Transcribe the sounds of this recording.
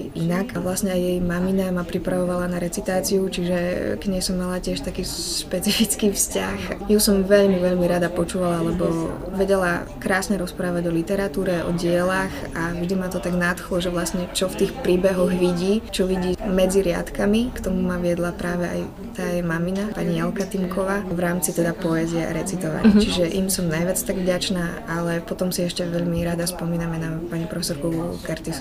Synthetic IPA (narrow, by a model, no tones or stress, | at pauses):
jinakaʋlasɲɛajjɛjmaminamapɾipɾaʋɔʋalanaɾɛt͡sit̪aːt͡siut͡ʃiʒɛɡɲɛjsɔmːalacɪɛʃt̪akiːʃpɛt͡sifit͡skiːfscaxjusɔmʋɛʎmiʋɛʎmiɾad̪apɔt͡ʃuːʋalalɛbɔ | ʋɛɟɛla | kɾaːsɲɛɾɔspɾaːʋaɟɔlit̪ɛɾat̪uːɾɛʔɔ̰ɟɪɛlaxavʒd̪imat̪ɔt̪aɡnat̪xlɔʒɛʋlasɲɛt͡ʃɔft̪iːxpɾiːbɛɦɔɣʋiɟiːt͡ʃɔʋiɟiːmɛd͡ziɾɪa̰t̪kamikt̪ɔmumaʋɪɛd̪lapɾaːʋɛʔa̰j | t̪aːjɛmaminapaɲijɛlkat̪imkʰɔʋaːʋɾaːmt͡sit̪ɛd̪apɔɛziɛa̰ɾɛt͡sit̪ɔʋa̰ct͡ʃiʒɛʔimsɔmnajʋɪat͡st̪aɡvɟat͡ʃnaː | alɛpɔt̪ɔmsiɛʃcɛʋɛʎmiɾad̪aspɔmiːnamɛnapaɲipɾɔfɛsɔɾkukɛɾt̪is